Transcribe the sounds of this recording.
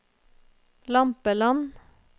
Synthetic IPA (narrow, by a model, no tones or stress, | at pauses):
lɑmpəlɑn